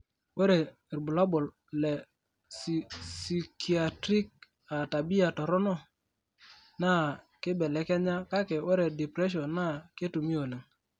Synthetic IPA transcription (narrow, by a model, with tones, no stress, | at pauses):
wo˦ɾe˨ | ɾbu˨la˦bɔ˨l | lɛ˨ | ssi˨kʰi˨a˨tɾi˦k̚ | a˨ta˨bi˦a˨tɔ˨ɾɔ˦nɔ˦ | na˦ | kɪ˦bɛ˨lɛ˨kɛ˦ɲa˦ka˦kɛ˨o˦ɾɛ˨di˨pɾɛ˦ʃ̬ɔ˨na˦ke˦tu˨mi˦o˨le˨ŋ